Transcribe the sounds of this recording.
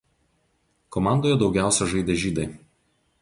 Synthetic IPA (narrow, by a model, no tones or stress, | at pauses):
kɔmɑˑnd̪oːjɛd̪ɒʊɡʲæˑʊsʲɛʒɐɪd̪ʲɛʒʲiːd̪ɐɪ